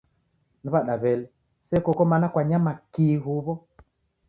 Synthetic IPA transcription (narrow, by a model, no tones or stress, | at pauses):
niβaɗaβɛlɛ | sɛkɔkɔmanakwaɲamakiɦuβɔ